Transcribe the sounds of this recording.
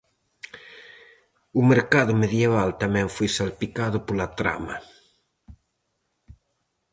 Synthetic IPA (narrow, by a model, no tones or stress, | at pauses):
ʊmeɾkaðʊmeðjeβalt̪amɛ̃ŋfojsalpikaðʊpolat̪ɾa̰mɐ